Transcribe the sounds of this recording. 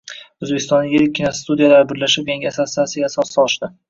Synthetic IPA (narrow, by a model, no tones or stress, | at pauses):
ɵzbekʲɪst̪ɒnːɪjʲeɾɪkʲʰːinɒst̪ud̪ijalaɾɪbɪɾlaʃɪp̚ɡʲaŋɡʲasasasɪɡʲasɒsɒlˠɪʃd̪ɪ